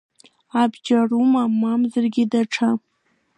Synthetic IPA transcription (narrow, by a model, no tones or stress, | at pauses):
abd͡ʒarumamamzɨrɡʲɪdaʈ͡ʂʰa